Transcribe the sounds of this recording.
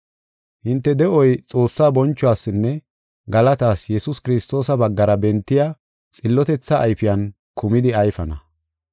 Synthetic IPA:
hɪnt̪ːɛd̪ɛʔɔjt͡sʼo̞ːsːaːbɔnt͡ʃːʊwaːsːɪnːɛ | ɡɐlɐt̪aːsjɛsʊskɪɾɪst̪o̞ːsɐbɐɡːɐɾɐbɛnt̪ːɪja | t͡sʼɪlːɔt̪ɛt͡sːɐʔːjfɪjɐn | kʊmɪd̪ɪɐjfɐnɐ

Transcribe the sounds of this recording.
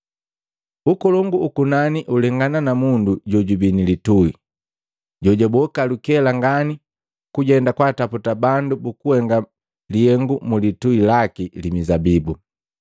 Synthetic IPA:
ukɔlɔŋɡuːkunaniʔulɛŋɡananamunduɟɔɟubinilitui | ɟɔɟɔbɔkalukɛlaŋɡani | kuɟɛndakwataputabandubukuhɛŋɡa | liɛŋɡumulituilakilimizabibu

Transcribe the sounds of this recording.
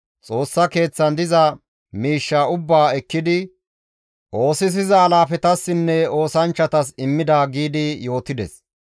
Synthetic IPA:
t͡sʼo̞ːsːɐke̞ːt͡sːɐnd̪ɪzɐ | miːʃːaːʊbːaːɛkːɪd̪ɪ | ʔo̞ːsɪs̬ɪzɐːlaːfɛt̪ɐsːɪnːɛo̞ːsɐnt͡ʃːɐt̪ɐsɪmːɪd̪aːɡiːd̪ɪjo̞ːt̪ɪd̪ɛs

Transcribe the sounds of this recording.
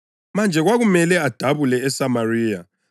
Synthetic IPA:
mand͡ʒʱɛɣwaɣumɛlɛad̥ʱaβulɛːsamariːja

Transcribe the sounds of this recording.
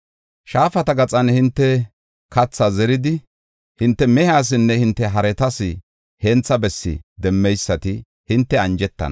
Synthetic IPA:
ʃaːfɐt̪ɐɡɐt͡sʼɐnhɪnt̪ːɛ | kɐt͡sːɐzɛɾɪd̪ɪ | hɪnt̪ːɛmɛhaːs̬ɪnːɛhɪnt̪ːɛɦɐɾɛt̪ɐsɪ | hɛnt͡sːɐbɛsːɪ̰d̪ɛmːɛjsːɐt̪ɪ | hɪnt̪ːɛɐnd͡ʒɛt̪ːɐ̰nɐ

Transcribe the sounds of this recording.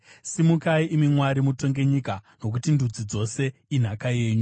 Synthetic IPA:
simukaiʔimimwaɾimuto̞ŋɡe̞ɲikano̞k̬utindʱud͡zid͡zo̞se̞in̤akajeːɲu

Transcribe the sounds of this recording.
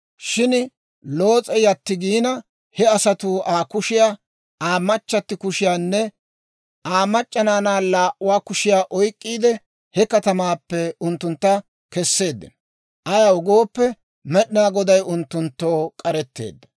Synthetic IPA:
ʃɪn | lo̞ːt͡sʼɛjɐt̪ːɪɡiːnɐ | hɛɐsɐt̪ʊaːkʊʃɪjaː | aːmːɐt͡ʃːɐt̪ːɪkʊʃɪjaːnːɛ | aːmɐt͡ʃʼːɐnaːnaːlaːʔʊwaːkʊʃɪjaːʔɔjkʼːiːd̪ɛ | hɛkɐt̪ɐmaːpːɛʊnt̪ːʊnt̪ːɐ | kɛsːe̞ːd̪ːɪ̰n | ʔɐjaʊɡo̞ːpːɛ | mɛɗɪnaːɡɔd̪ɐjʊnt̪ːʊnt̪ːoːkʼɐɾɛt̪ːe̞̰ːd̪ːɐ̥

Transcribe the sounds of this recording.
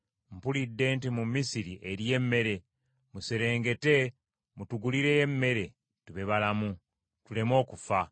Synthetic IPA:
m̩pulidːe̞ːntimumːisiɾiʔeɾje̞mːe̞ɾe̞ | museɾe̞ːŋɡe̞te̞ | mutuɡuliɾe̞jemːe̞ɾe̞ | tuβe̞βalamu | tule̞mo̞ːkufa

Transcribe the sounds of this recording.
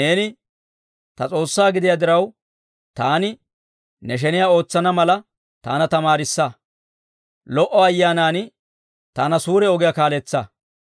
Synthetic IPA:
ne̞ːnɪ | t̪ɐt͡sʼo̞ːsːaːɡɪd̪ɪjaːd̪ɪɾɐw | t̪aːnɪ | nɛʃ̬ɛnɪjaːo̞ːt͡sːɐnɐmɐlɐ | t̪a̰ːnɐt̪ɐmaːɾɪsːɐ | lɔʔɔɐjːaːnaːn | t̪aːnɐsuːɾɛɔɡɪjɐkaːlɛt͡sːɐ

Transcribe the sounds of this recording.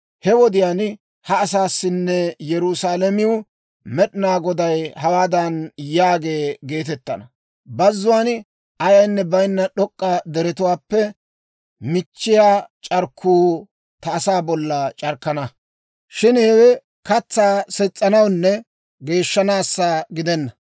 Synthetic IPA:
hɛwɔd̪ɪjaːn | hɐːsaːsːɪnːɛjɛɾʊsaːlɐmɪʊ | mɛɗɪnaːɡɔd̪ɐjhɐwaːd̪ɐnjaːɡe̞ːɡe̞ːt̪ɛt̪ːɐnɐ | bɐzːʊwan | ɐjɐjnːɛbɐjnːɐɗɔkʼːɐd̪ɛɾɛt̪ʊwaːpːɛ | mɪt͡ʃːɪjaːt͡ʃʼɐɾkʰːuː | t̪ɐːsaːbɔlːɐt͡ʃʼɐɾkːɐnɐ | ʃɪnhɛwɛ | kɐt͡sːaːsɛt͡sʼːɐnɐwnːɛ | ɡe̞ːʃːɐnaːsːaɡɪd̪ɛnːɐ

